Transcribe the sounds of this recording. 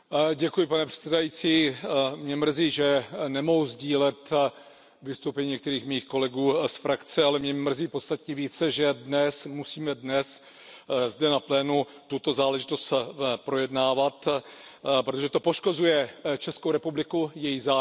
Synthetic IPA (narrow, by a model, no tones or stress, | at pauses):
ɟɛkujɪpanɛpr̥ɛ̥tt͡sɛdajit͡siːmɲɛmr̩ziːʒɛnɛmoɦuzɟiːlɛt̪ | vɪst̪owpɛɲiɲɛk̚t̪ɛɾiːxmiːxko̞lɛɡuːsfɾakt͡sɛalɛmɲɛmr̩ziːpost̪at̪ɲɛviːt͡sɛʒɛdnɛsmusiːmɛdnɛs | zdɛnaplɛːnu | t̪ut̪o̞zaːlɛʒɪ̥t̪o̞st̪pɾo̞jɛdnaːvat̪ | pɾot̪o̞ʒɛt̪o̞po̞ʃko̞zujɛt͡ʃɛskowɾɛpublɪkujɛjizaː